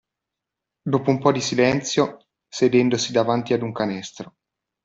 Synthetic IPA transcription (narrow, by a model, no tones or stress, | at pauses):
d̪oːpoumpɔd̪isilɛnt̪sjo | sed̪ɛnd̪osid̪avant̪iad̪uŋkanɛst̪ɾo